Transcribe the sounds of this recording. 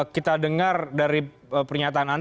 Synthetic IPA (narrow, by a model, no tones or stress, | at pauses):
kit̪adəŋardaɾi | pərɲat̪aːnan